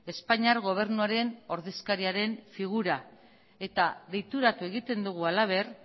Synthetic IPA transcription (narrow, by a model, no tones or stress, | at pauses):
e̞spaɲiaɾɣo̞β̞e̞ɾnuaɾe̞no̞ɾðe̞skaɾiaɾe̞ɱfiɣ̞uɾa | e̞t̪aðe̞jt̪uɾat̪ue̞ɣit̪e̞nd̪uɣ̞ualaβ̞e̞r